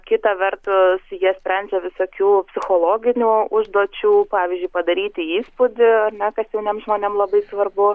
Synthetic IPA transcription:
kʲɪt̪ɐʋʲɛrt̪ʊsjiɛsʲpʲɾʲɛnʲd͡ʒʲɛʋʲɪsoːkʲuːpʲsʲɪxoːlˠoːɡʲɪnʲuːʊʒd̪oːt͡ʃʲuːpɑːʋʲiːzʲd͡ʒʲʊɪpɐd̪ɐɾʲiːt̪ʲɪiːspʊd̪ʲɪɐrnʲɛkɐsjɛʊnʲeɛmʒmoːnʲemlˠɐbɐɪsʋɐrbʊ

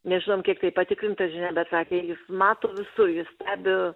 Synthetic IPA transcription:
nʲɛʒʲɪnoːmkʲiɛk̚t̪ɐɪpɐt̪ʲɪkɾʲɪnt̪ɐsʒʲɪnʲɛːbʲɛt̪sɑːkʲeːjɪsmɑːt̪oːʋʲɪsʊrjʊssʲt̪ʲæːbʲɪ

